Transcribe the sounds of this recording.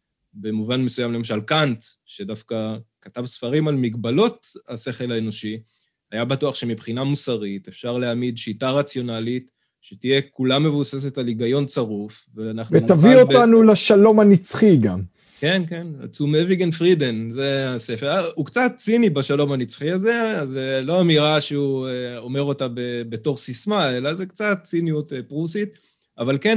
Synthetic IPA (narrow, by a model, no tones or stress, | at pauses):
be̞muvanmesujamle̞maʃalkant̪ | ʃe̞dafkakatavsfaʁimalmiɡbalo̞tase̞χe̞laeno̞ʃi | ajabatuaχʃe̞mipχinamusaʁit̪efʃaʁleamidʃitaʁat͡sjo̞nalit | ʃetije̞kulamːe̞vuse̞s̬e̞taliɡajo̞nt͡saʁuf | veanaχnuveut̪aviotanulaʃalo̞manit͡sχiɡa̰m | ke̞nke̞na̰t͡sumeviɡenfʁidenzease̞feʁaukt͡sat̚t͡sinibaʃalo̞manit͡sχiaze̞azelo̞amiʁaʃeueo̞me̞ʁo̞tabebe̞to̞ʁsismae̞lazekt͡sat̚t͡sinijutpʁusit̪ | avalken